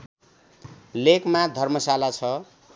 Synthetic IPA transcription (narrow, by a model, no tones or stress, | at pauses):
lekmad̪ʱʌrmʌsalat͡sʰʌ